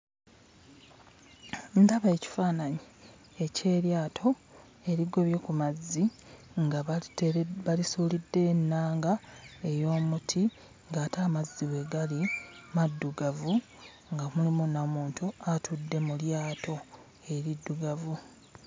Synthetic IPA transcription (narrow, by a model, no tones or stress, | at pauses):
ntaβae̞ci̥faːnaɲi | e̞ce̞ːɾjaːtʰo̞ | e̞ɾiɡo̞βjo̞kumazːiŋɡa | βalisuːlidːe̞nːaːŋɡae̞jo̞ːmutʰi | ŋɡaːtʰaːmazːiwe̞ɡalimadːuɡavu | ŋɡamulimunamuːntuatʰudːe̞muljaːtʰo̞ | e̞ɾidːuɡavu